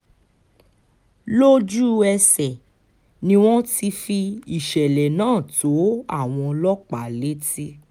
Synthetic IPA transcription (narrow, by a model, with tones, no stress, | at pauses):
lo˦d͡ʒu˦ɛ˧sɛ˨ | nĩ˧w̃ɔ̃˦ti˧fi˧i˨ʃɛ˨lɛ˨nãː˦˨to˨˦a̰˦˨w̃ɔ̃˧lɔ˦k͡pa˨˦le˦ti˦